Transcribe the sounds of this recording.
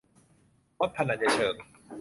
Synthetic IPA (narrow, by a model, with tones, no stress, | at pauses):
mo˦˥t̪̚ʰːa˧na˧˩ja˧˩t͡ɕʰɤː˧˩ŋ